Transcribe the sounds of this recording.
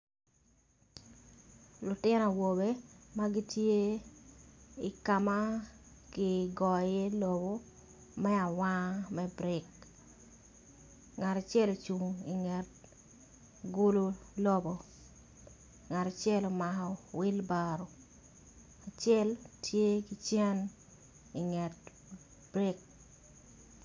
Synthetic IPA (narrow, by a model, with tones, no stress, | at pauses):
lʊ˨tɪ˦nɔ˨wo˨be˦ma˦ɡɪ˦tje˦ | i˨ka˨ma˦kɪ˨ɡɔ˨je˦lo˨bo˦ | mɛ˦a˨wa˦mɛ˦bɾɪ˨k | ŋa˨ɾa˨t͡ʃɛ˦lo˨t͡ʃu˨ŋi˨ŋɛ˨t̚ | ɡu˦lo˦lo˦bo˨ | ŋa˨ta˨t͡ʃɛ˦lo˨ma˨hɔ˨wɪ˦lbaɾo˨ | a˨t͡ʃɛ˦ltje˦ki˦t͡ʃɛ˦n | i˨ŋɛ˨t̚ | b̥ɾɪ˦k̚